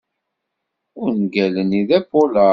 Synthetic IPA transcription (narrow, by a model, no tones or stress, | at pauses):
ʊɾnɡæləniðæpːolə